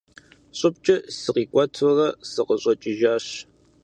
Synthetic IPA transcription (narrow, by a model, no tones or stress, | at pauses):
ɕʼʊp̚t͡ʃʼɐsɨqiːkʷʼɔtʰɨrɐsɨqʼəɕʼɐt͡ʃʼɪʒaːɕ